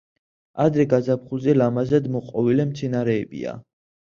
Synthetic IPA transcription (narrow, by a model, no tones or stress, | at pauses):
ad̪ɾɛɡazapχulˠzɛlamazad̪mɔqʼɔvilɛmt̪sʰɛnaɾɛːbḭa̰